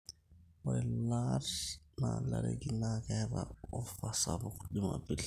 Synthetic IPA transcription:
ɔɪlarnalaɾḛɡinakabaɔfasabʊkdimabɪl

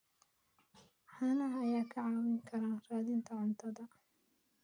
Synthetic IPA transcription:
ħanɐhɐjaːkʰɐʕaːwɪŋkʰɐɾaːnraːðɪnt̪ʰɐʕʊnt̪ʰɐðɐ

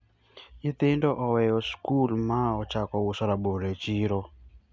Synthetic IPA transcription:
itendɔʔɔwɛjɔskulmaɔt͡ʃakɔwusaɾaɓoɾɛt͡ʃiɾɔ

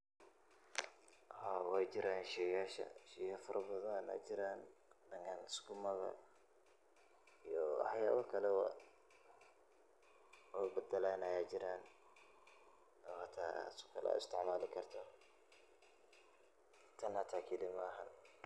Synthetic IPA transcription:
ʔhawaːjd͡ʒɪɾaːnʃɛjaːʃɐ̰ʃɛjafɐɾʔɐbɐðɐna̰d͡ʒɪɾaːndɐŋkʰanskʊmɐɣɐ̰ | ijɔħɑjaːðɐkʰɐlɛwa | wabɐd̪ɐlanɐjaːd͡ʒɪɾaːn | ɔhat̪ʰa̰ːsʊ̥kʰɐlʔa̰ːɪ̰st̪ʰɪʕmaːlɪkʰɐrt̪ʰɐ | t̪ʰɐnhɐt̪ʰaːkʰilimaːɦɐ̰n

